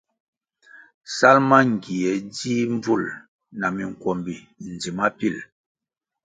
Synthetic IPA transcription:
sa˦lma˦ŋ˨ɡi˨ɛ˨˦di˦ɱ˦b͡vu˦˨l | na˨mi˨ŋ˨kwɔ˨mbi˨ | n˨d͡zi˨ma˦pi˦˨l

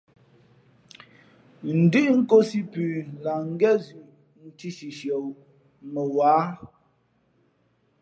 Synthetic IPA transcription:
n̩˨dʉ˦˨ʔŋ̩˦ko˦si˦pʉː˨la˨ŋ̩˦ɡɛ˦zʉ˨ʔ | n̩˨ti˦ʃi˨ʃjo˨w | mə˨waː˨˦

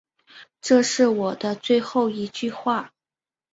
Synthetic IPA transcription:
ʈ͡ʂɤ˥˧ʂɻ̩˥˩wɔ˨˩d̪ə˦t͡swe˥˧ɪxo˥˩ʊi˧˥t͡ɕy˥˧xwa˥˩

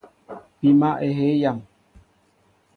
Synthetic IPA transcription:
pi˨ma˦ʔe˨ɦe˦ja˦˨m

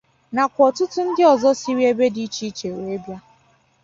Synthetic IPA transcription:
na˨kʷɔ˨tʊ˦tʊ˦n̩˦dɪ˦ɔ˨zɔ˦si˦ɾi˦e˦be˦di˦t͡ʃi˦t͡ʃe˨we˨e˦bja˦

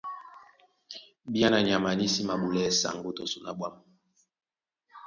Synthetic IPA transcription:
bi˦a˦na˨ɲ˨a˨ma˨ni˦si˦ma˨ɓu˨lɛ˦˨sa̰˨ŋɡu˦to˨su˨na˨ɓwa˦m˨

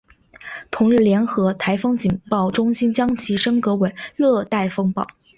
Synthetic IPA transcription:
t̪ʰʊ˧˥ŋɻ̩˥˩ljɛ˧˥nxɤ˧˥t̪ʰa˧˥ɪfɤ˥ŋt͡ɕi˨˩npɑ˥˩ʊʈ͡ʂʊ˥ŋɕi˥nt͡ɕjɑ˥ŋt͡ɕʰi˧˥ʂɤ˥ŋkɤ˧˥we˨˩ɪlɤ˥˧t̪a˥˩ɪfɤ˥ŋpɑ˥˩ʊ

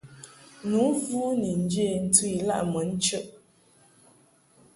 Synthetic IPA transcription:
nu˨˦vu˦ni˨n̩˦d͡ʒe˦˨n̩˦tu˦i˨la̰˦ʔmə˨˦n̩˦t͡ʃə˦ʔ

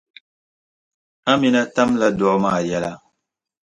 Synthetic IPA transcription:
a˦mi˨na˦ta˦mla˦dɔ˨˦ma˦˨ja˦la˦

